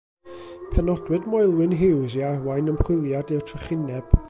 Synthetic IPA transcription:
pʰɛnɔdwɨdmɔjlˠwɪnɦɪwziarwajnəmχwɪlˠjadɛwtʰrəχɪnɛb̥

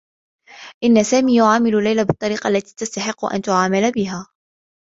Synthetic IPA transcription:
ʔɪnːasaːmiːjʊʕaːmɪlʊlːajlabɨt̪ˤːɑɾiːqɑʔlːat̪i̥ːt̪ast̪aħɪqːʊ̰ʔa̰nt̪ʊʕaːmalbɪɦaː

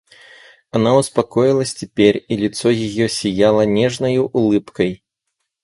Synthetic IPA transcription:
anauspakɔjilˠɐsʲt͡sʲɛpʲɛrilʲit̪sɔjijɔsʲijalˠɐnʲɛʐnɐjuʔːlˠɨpkɐj

